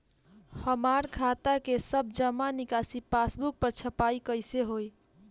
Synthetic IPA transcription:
həmaɾkʰat̪akesəb̚d͡ʒəmanikasipasbuk̚pəɾt͡ʃʰəpaikəjseɦoj

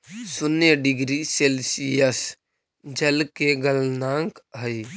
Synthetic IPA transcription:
sʊnəɖɪɡɾiseːlsijəs | d͡ʒəlkeɡəlnãːŋkɦəi

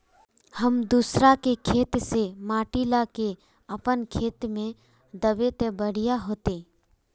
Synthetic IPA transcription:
həmd̪uːsɾakekʰeːt̪semaːʈilake | əpənkʰeːt̪mẽ | d̪əbet̪ebəɽ̤ijaɦoːt̪eː

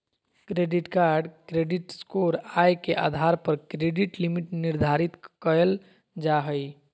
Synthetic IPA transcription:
kɾeɖiʈkaɾɖkɾeɖiʈskoɾajkeʔa̰d̪ʱaɾpəɾkɾeɖiʈlimiʈniɾd̪ʱaɾit̪kəl | d͡ʒaɦəj

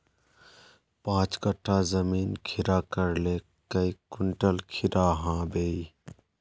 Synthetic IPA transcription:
pãːt͡ʃkəʈʰːazəmiːnkʰɪɾaːkəɾleː | kəikʊɳʈəlkʰɪɾaːɦãːbeːi

